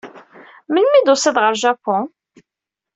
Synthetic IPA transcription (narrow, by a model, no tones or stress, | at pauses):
mənmid̪ʊsiðʁəɾʒapɔ̃